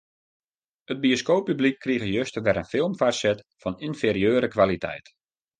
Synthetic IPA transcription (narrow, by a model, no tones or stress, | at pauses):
ət̚bioskoːpːyblikʰːriəɣəjøstəʋɛɾənfɪlˠmfarsɛt | fɔninfeːɾiøːɾəkʋalitʰɛ̰jt